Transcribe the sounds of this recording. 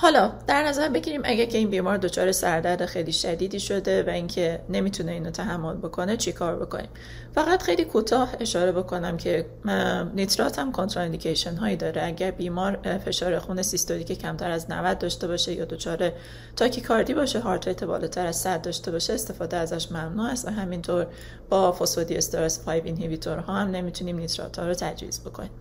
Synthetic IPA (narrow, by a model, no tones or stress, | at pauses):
hɒːlɒːd̪̥æɾnæzæɾbe̞ɟʲiːɾiːmʔæ̰ɟæɾcʰe̞iːnbiːmɒːɾd̪o̞t͡ʃʰɒ̰ːɾe̞sæɾd̪æɾd̪e̞xejliːʃæd̪iːd̪iːʃo̞d̪e̞væiŋcʰe̞ne̞miːt̪ʰune̞iːnot̪ʰæɦæmːo̞lbo̞kʰo̞ne̞t͡ʃʰekʰɒːɾbo̞̰kʰo̞̰niːm | fæɣæt̪xejliːkʰut̪ʰɒːhe̞ʃɒːɾe̞bo̞kʰo̞næmcʰe̞ | nit̪ɾɒt̪hæmkʰont̪ɾɒend̪icʰejʃenɦɒːjid̪ɒːɾeæɟæɾbiːmɒːɾfe̞ʃɒːɾe̞xuːne̞sist̪oɾiːcecʰæmt̪ʰæɾæznæ̰væd̪̚d̪ɒːʃt̪e̞βɒːʃe̞jɒ̰ːd̪o̞t͡ʃʰɒːɾe̞ | t̪ʰɒːcʰekʰɒɾd̪iːbɒːʃeɦɒɾt̪ʰejt̪ʰebɒ̰ːlɒːt̪ʰæɾæz̥sæd̪̚d̪ɒːʃt̪e̞bɒːʃeːst̪e̞fɒːd̪eæzæʃmæmnuːæst̪væɦæmint̪ʰoɾ | b̥ɒːfosod̪ie̞st̪eɾɑspʰɒːjbinɦivit̪ʰoɾɦɒːhæmne̞miːt̪ʰuniːmnit̪ʰɾɒ̰t̪ʰhɒːɾot̪ʰæd͡ʒvḭːzbo̞kʰo̞̰niːm